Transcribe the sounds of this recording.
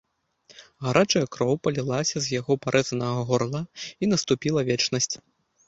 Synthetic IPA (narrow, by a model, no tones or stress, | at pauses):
ɣaɾʔat͡ʂɐjɐkɾɔwpɐlʲilˠasʲɐzʲjaɣɔpaɾʔɛzɐnɐɣɐɣɔrlˠɐinɐst̪upʲilˠɐvʲɛt͡ʂnɐsʲt͡sʲ